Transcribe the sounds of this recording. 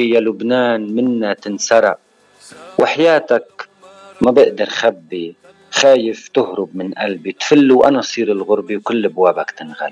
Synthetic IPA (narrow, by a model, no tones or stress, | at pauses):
jalʊbnaːnmɪnːat̪ɪnsɑɾˤɑ̰ʔ | wʔɪħajaːt̪ak | mabɪʔd̪ɑɾˤxabːi | xaːjɪft̪ʊɦɾʊbmɪnʔalbit̪fɪlːuwʔa̰nasˤiːɾɪlɣʊɾbiwkɪlːabwaːbakt̪ɪnɣa̰l